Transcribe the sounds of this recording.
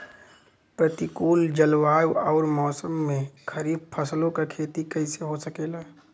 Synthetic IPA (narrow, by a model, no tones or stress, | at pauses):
pɾət̪ikuːld͡ʒɐlwaːjɔːɾmɔːsəmːẽkʰɐɾiːbpʰɐslõkakʰeːt̪ikɐiseɦosəkeːlaː